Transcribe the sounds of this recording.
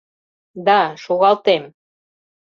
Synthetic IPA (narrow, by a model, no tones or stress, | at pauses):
d̪ɑʃoɣɑlt̪em